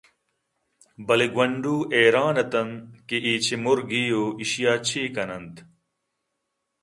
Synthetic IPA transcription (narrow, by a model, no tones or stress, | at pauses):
bɐliɡwɐɳɖuːʔeːɾaːnɐt̪ɐnkiʔiːt͡ɕʰimuɾɡijoːiɕjaːt͡ɕʰiːkɐnɐnt̪